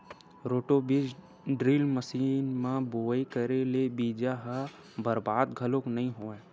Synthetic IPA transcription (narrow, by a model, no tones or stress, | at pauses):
ɾoːʈobɪd͡ʒ | ɖɾiːlməsiːnmãboːikəɾelebiːd͡ʒaɦa | bɐɾbaːd̪ɡʱəlõknɐɦĩɦoːẽː